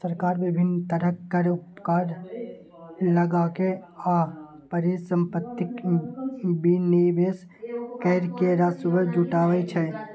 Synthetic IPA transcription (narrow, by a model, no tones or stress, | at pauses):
səɾkaːɾbɪbʱɪnt̪əɾəkːəɾʊpkaːɾ | ləɡaːkea | pəɾisə̃mpət̪ːɪk | binibes | kəɾkeɾasubəd͡ʒuʈaːʋɛt͡ʃʰɛ